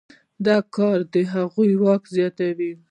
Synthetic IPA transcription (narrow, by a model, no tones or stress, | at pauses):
d̪ɑkɑɾd̪əɦaɣujwɑkzjɑt̪awi